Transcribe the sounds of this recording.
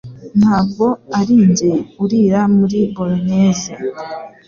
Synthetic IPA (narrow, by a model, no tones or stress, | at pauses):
n̥haːb̚ɡo̞aɾiːɲɟeuɾiːɾamuɾiboloneːze